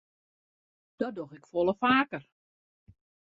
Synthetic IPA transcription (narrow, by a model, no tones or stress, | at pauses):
d̥ɔdoxɪkfolˠəfaːkər